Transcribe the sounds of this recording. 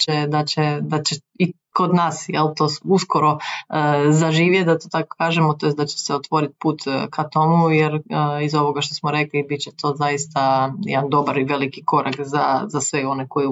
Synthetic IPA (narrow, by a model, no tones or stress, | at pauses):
t͡ʃed̪at͡ɕed̪at͡ɕe | i | ko̞d̪naːsjelˠt̪o̞ːusko̞ɾo̞ | zaʒiːʋjed̪at̪ot̪ako̥kaːʒemot̪oed̪at͡ɕe̥seot̪ʋo̞ɾit̪puːt̪kʰat̪o̞mujɛɾizo̞ʋo̞ɡaʃt̪osmoɾe̞klibit̪t͡ɕet̪ʰo̞ːzajist̪ajɛ̰d̪and̪o̞baɾiʋe̞likiko̞ɾʔakzazasʋeo̞neko̞ju